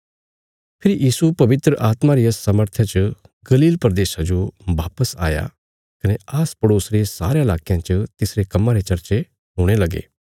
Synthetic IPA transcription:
pʰɪɾijiːsupɐʋɪt̪ɾəʔaːt̪maɾijasɐməɾt̪ʰjat͡ʃə | ɡɐliːlpɐɾd̪eːʃad͡ʒoʋaːpəsa̰ːja̰ | kɐneaːspɐɽoːsɾesaːɾeɪlaːkijãt͡ʃət̪ɪsɾekɐmːãɾet͡ʃɐɾt͡ʃe | ɦoːɽ̃elɐɡḛː

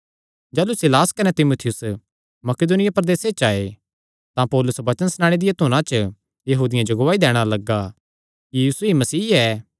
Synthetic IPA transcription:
d͡ʒɛːlusɪlaːskɐnet̪ɪmuːt̪ʰɪjʊs | mɐked̪ʊnɪjapɐɾd̪eːset͡ʃaːe | t̪ãpɔːlʊsʋɐt͡ʃənsnaːɽ̃ed̪ɪjat̪ʊːñãt͡ʃə | jɐɦuːd̪ɪjãd͡ʒoɡʊʋaːid̪ɛːɽ̃alɐɡːa | kijjiːsuɦimɐsiːɛː

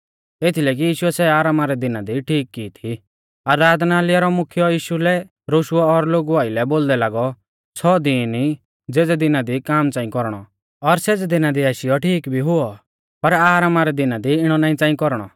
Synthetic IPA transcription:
et̪ʰilɛk̬ijiːʃuɛsɛaːɾaːmaɾɛd̪ɪnad̪iʈʰiːkːiːt̪ʰi | aɾaːd̪naːlɪjaɾɔmʊkʰjɔjiːʃulɛ | ɾoʃʊɔːɾloːɡuaːɪlɛboːld̪ɛlaːɡɔ | t͡sʰɔd̪ini | d͡zeːd͡zɛd̪ɪnad̪ikaːmt͡sãːĩkɔɾɽ̃ɔ̰ | ɔɾsed͡zd̪ɪnad̪iaʃɪjɔʈʰiːkbʱiɦʊɔ | pɐɾaːɾaːmaɾɛd̪ɪnad̪iɪɽ̃ɔnaːĩt͡sãːĩkɔɾɽ̃ɔ̰

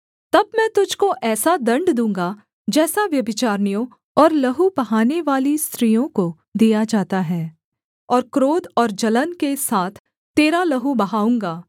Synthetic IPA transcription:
t̪ɐbmɛ̃t̪ʊd͡ʒʱkoʔɛːsad̪ɐ̃ɳɖd̪ũːŋɡa | d͡ʒɛːsaʋjɐbɪt͡ʃaːɾnijõ | ɔːɾlɐɦubɐɦaːneʋaːlist̪ɾiːjõko | d̪ijad͡ʒaːt̪aɦɛː | ɔːɾkɾoːd̪ɔːɾd͡ʒɐlənkesaːt̪ʰː | eːɾalɐɦubɐɦaːũːŋɡaː

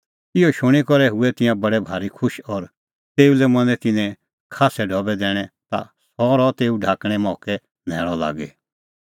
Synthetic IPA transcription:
ɪoʃʊɽ̃ikɔɾɛɦʊɛt̪ɪ̃jãbɐɽɛbʱaːɾikʰʊʃɔɾ | t̪eːulɛmɐ̃nɛ̃t̪ɪnɛ̃ | kʰaːsɛɖʱɔbɛd̪ɛːɽ̃ɛ̃t̪a̰ | sɔɾɔt̪eːuɖʱaːkɽ̃ɛ̃mɔːkɛ | nɛ̰ːɭ̃ɔla̰ːɡɛ

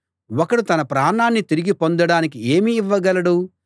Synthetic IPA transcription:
wɔkɐɽut̪ɐnɐpɾaːɳaːnːit̪iɾiɡipo̞nd̪ɐɽaːnik̬ie̞ːmiːʋːɐɡɐlɐɽu

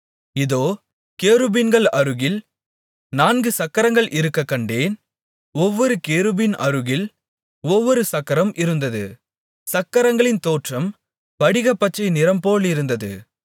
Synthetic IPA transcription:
ɪðoː | keːɾɯbɪnɡɐɭɐɾɯɣɪl | naːnɡɯsɐkːɐɾɐŋɡɐɭʔɪɾɯkːɐkːɐɳɖeːn | ɔʋːɔɾɯkeːɾɯbɪnɐ̰ɾɯɣɪl | ɔʋːɔɾɯsɐkːɐɾɐmʔɪɾɯnd̪ɐðɯ | sɐkːɐɾɐŋɡɐɭɪnt̪oːʈrɐm | pɐɽɪɣɐpːɐt͡ʃːɐɪnɪɾɐmpoːɭɪɾɯnd̪ɐðɯ̰

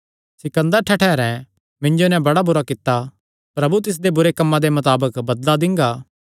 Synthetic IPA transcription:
sɪkə̃nd̪əɾʈʰɛʈʰɛːɾɛ̃ | mɪ̃ɲd͡ʒonɛ̃bɐɽabʊɾakɪt̪ːa | pɾɐbut̪ɪs̬d̪ebʊɾekɐmːãd̪emɐt̪aːbəkbɐd̪lad̪ɪ̃ŋɡaː

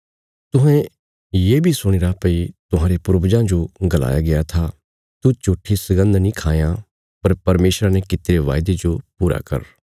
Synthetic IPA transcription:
t̪ʊɦɛ̃ | jeːbʱisʊɽ̃ɪɾapɐit̪ʊɦãːɾepʊɾbd͡ʒãd͡ʒoɡɐla̰ːjaɡɪat̪ʰa | t̪ut͡ʃoːʈʰːisɐɡə̃nd̪nĩkʰaːja | pɐɾpɐɾmeːʃɾanɛkɪt̪eɾeʋa̰ːjd̪ed͡ʒopuːɾa̰kɐ̰ɾ

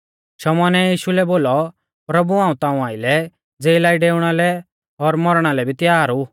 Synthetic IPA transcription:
ʃɔmɔːnɛjiːʃulɛboːlɔ | pɾɐbuãːũt̪ãːũaːɪlɛ | d͡zeːɪlaːiɖeːʊɽ̃alɛ | ɔɾmɔɾɽ̃alɛbʱit̪ɪjaːɾu

